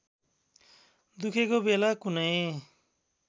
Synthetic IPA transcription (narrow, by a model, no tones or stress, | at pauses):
d̪ukʰekobelakunʌj